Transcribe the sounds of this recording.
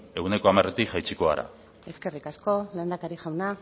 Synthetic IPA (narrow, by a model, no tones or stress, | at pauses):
e̞ɣune̞ko̞amaret̪ikʝajt͡siko̞aɾa̰ | e̞ske̞rikasko̞leːnd̪akaɾiʝawna